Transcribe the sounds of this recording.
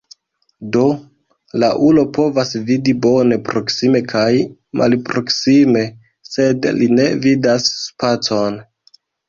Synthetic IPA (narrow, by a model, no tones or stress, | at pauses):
do̞ | laʔulo̞po̞vasvidibo̞ne̞pɾo̞ksime̞kʰajmʔa̰lpɾo̞ksime̞ | se̞dline̞vidasːpat͡so̞n